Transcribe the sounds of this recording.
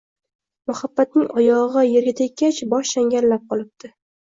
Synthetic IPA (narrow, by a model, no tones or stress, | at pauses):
mʊhabːat̪̚nɪŋʔɒjɒʁʁɑjeɾɡʲat̪ʰek̚ʲːat͡ʃbɒʃʃaŋɡʲaɾlap̚qʰɒlˠɪp̚t̪ʰɪ